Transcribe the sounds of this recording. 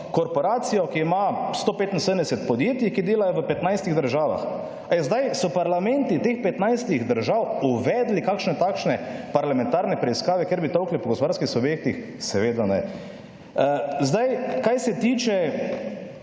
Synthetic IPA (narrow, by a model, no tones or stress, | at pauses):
kɔɾpɔɾaːt̪sijɔkiːmast̪oːpeːt̪in̩səd̪ənd̪ɛsɛt̪pɔd̪jeːt̪jikid̪eːlajɔʋəpɛt̪najst̪iɣd̪əɾʒaːʋa̰x | ajzd̪ajsɔpaɾlamɛnt̪it̪eːxpɛt̪najst̪iɣd̪əɾʒawuʋɛːd̪likakʃnɛt̪akʃnɛpaɾlamɛ̃nt̪aːɾnɛpɾɛiskaːʋɛkeɾbit̪ɔwklipɔɡɔspʋaɾskixsubjeːk̚t̪ix | sɛʋeːd̪anɛ | zd̪ajkajsɛt̪iːt͡ʃɛ